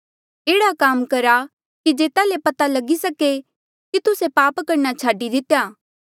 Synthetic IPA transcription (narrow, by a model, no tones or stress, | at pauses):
eːɽakaːmkɐɾa | kid͡ʒeːt̪alepɐt̪alɐɡisɐke | kit̪ʊsepaːpkɐɾnat͡ʃʰaːɖid̪ɪt̪ejaː